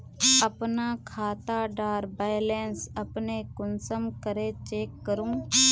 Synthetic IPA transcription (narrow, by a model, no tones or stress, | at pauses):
əpnaːkʰaːt̪aɖaːɾbajleːnsəpneːkʊnsəmkəɾeːt͡ʃeːkːəɾũː